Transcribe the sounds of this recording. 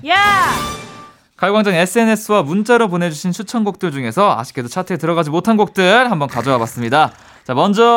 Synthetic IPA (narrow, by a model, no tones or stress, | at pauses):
ja | kaɭɡwaŋd͡ʑaŋe̞s͈ʰɯe̞ne̞s͈ʰɯwamunt͡ɕ͈aɾop̬one̞d͡ʑuɕʰint͡ɕʰut͡ɕʰʌnɡok̚t͈ɯɭd͡ʑuŋe̞sʰʌa̰ɕʰi̥k͈edot͡ɕʰatʰetɯɾʌɣad͡ʑimotʰanɡok̚t͈ɯɭhambʌnkad͡ʑʌwabas͈ɯmɲida | t͡ɕamʌnd͡ʑʌ